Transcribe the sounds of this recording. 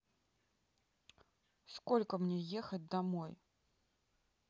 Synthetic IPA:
skɔlʲkɐmnʲɛjɛxɐt͡sʲd̪amɔj

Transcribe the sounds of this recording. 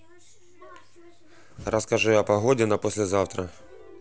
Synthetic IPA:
rɐskɐʐujapɐɦɔdʲɪnɐpɔsʲlʲɛzɑwt̪ɾɐ

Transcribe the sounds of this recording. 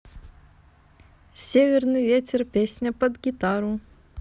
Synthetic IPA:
sʲevʲɪrnɨjvʲetʲɪrpʲesʲnʲəpəd̪ɡʲit̪aɾʊ

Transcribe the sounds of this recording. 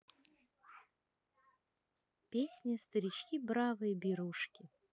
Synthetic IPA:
pʲesʲnʲɪst̪əɾʲɪt͡ɕkʲibɾavɨjəbʲiɾuʂkʲɪ

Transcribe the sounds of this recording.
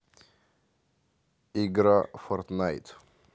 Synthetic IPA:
iɡɾafɔɾt̪najt̪

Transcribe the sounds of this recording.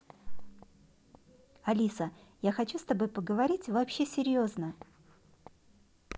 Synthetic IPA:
ɐlʲisəjaxɐt͡ɕust̪ɐbojpəɡəvɐɾʲitʲvɐpɕːesʲɪɾʲjoznə

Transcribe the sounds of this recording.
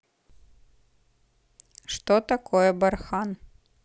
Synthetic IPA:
ʂt̪ɔt̪akɔjɛbarxan

